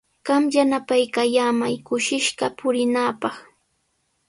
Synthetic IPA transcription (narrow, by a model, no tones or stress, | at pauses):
ɢ̥ɑmjanapajkajaːmajkʊʃɪʃɢɑpʊɾɪnaːpɑχ